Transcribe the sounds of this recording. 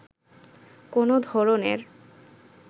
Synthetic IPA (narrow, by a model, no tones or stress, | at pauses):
konod̪ʱɔɾonḛɾ